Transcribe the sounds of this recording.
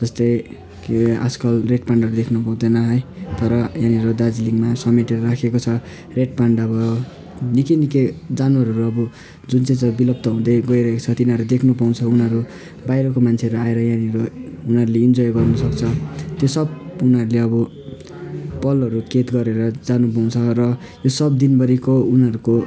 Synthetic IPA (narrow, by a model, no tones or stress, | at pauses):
d͡zʌst̪ʌj | ka̰skʌlreʈ̚paɳɖʱʌɾud̪ekʰnupaw̃d̪ʌnʌɦʌjt̪ʌɾʌjãniʌɾod̪ad͡ziliŋɡmasʌmiʈeɾʌrakʰekot͡sʰʌ | reʈ̚paɳɖʌbʌ | nikiniked͡zanwaɾɦʌɾuʌbu | d͡zunt͡sãj̃t͡sʌ̃bilʌb̚t̪ʌɦũd̪ʌjɡʌiɾʌɦeko̥t͡sʰʌt̪inʌɾud̪ekʰnupaw̃t͡sʰʌunʌɾu | bajɾʌkomant͡sʰeʌɾuaeɾʌjãniʌɾounɦʌɾuleind͡zʌjɡʌrnʌsʌkt͡sʰʌt̪josʌbunʌɾuleʌbʌ | pʌlʌɾuket̪ɡʌɾeɾʌd͡zanupaw̃t͡sʰʌrʌ | josʌb̚d̪inbʌɾikounɦʌɾuko